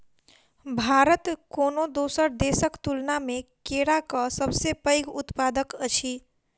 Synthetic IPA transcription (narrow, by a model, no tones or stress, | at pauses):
bʱaːɾət̪koːnod̪oːsəɾd̪eːsəkt̪ulnamẽkeːɽakasəbsepəɪɡʊt̪paːd̪əkət͡ʃʰi